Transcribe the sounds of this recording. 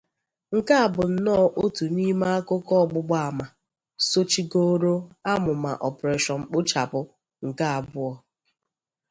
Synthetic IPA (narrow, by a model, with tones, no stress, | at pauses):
ŋ̩˨ka˦a˨bʊ˨n̩˦nɔː˦˨ʔo˦tu˨ni˦ma˦a˦kʊ˦kɔ˦˨ɡ͡bʊ˦ɡ͡ba˦a˨ma˨ | so˦t͡ʃi˦ɡo˦ɾo˦a˦mʊ˨ma̰˨ʔɔ˨pɾe˨ʃɔ˨ŋ͡m̩˨k͡pʊ˦t͡ʃa˨pʊ˨ | ŋ̩˨ka˦a˨bʊ˦ɔ˦